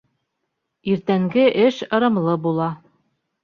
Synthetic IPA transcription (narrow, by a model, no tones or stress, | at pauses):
iɾt̪æŋɡɘʔɘʃɤ̆ɾɤ̆mlˠɤbulˠɑ